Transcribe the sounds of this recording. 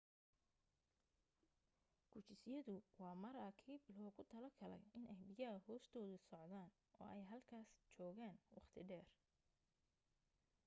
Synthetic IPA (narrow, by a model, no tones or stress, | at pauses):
ɡ̥ʰʊt͡ʃɪsjɐðʊwɑːmɐɾɐkʰiːblɔːɣʊt̪ʰɐlɐɡʰɐlɛ̰jɪnɛjbɪjɐɐhɔːst̪ʰɔːðʊsɔʕðaːn | ʔɔ̰ːɛjɦɐlkʰaːst͡ʃɔːɣaːnwɑ̰χt̪ʰɪɖɛːr